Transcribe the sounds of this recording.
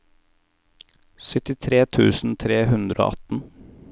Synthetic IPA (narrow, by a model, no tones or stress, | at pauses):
sœt̪ɪt̪ʰɾeːt̪ʰʉ̰ːsn̩t̪ʰɾeːhʉnd̪ɾo̰ːʔɑt̪n̩